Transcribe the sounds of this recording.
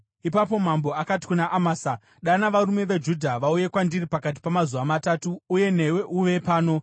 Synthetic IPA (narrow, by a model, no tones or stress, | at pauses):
ipapo̞mambo̞akati̥kunaʔamaːsa | ɗanaʋaɾume̞ʋed͡ʒudʱaʋauje̞kwandiripakat̬i̥pamazuʋamataːtuːje̞ne̞we̞ʔuʋe̞paːno̞